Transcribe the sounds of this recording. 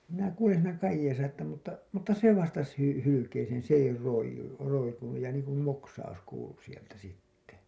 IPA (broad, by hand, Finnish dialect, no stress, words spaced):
jɑ minæ kuːlen siːnæ kɑjːeːsɑ etːæ mutːɑ mutːɑ se ʋɑstɑs hy hylykeːseːn̞ s ei roijˑu roikunuj jɑ niːŋkum moksɑus kuːlu sieltæ sitːe